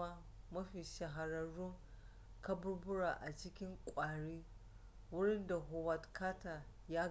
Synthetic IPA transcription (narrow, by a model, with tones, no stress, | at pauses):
a˦ | mɐ˦ɸiː˨ʃɐ˨ɦa˨ɾɐ˦ɽʊ˦ŋ | ka˦bʊ˦ɽbʊ˦ɽa˨ʔa˨t͡ʃɪ˦kʲɪ˦ŋkʷʼaː˨ɽiː˦ | wʊ˦ɽɪ˦nda˨ɦʊ˨wɐ˨tkʰaː˦ta˨ | jaː˦